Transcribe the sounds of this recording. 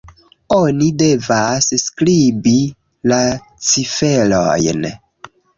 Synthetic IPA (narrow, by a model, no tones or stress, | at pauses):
onide̞vasskɾibi | la | t͡sife̞lo̰jn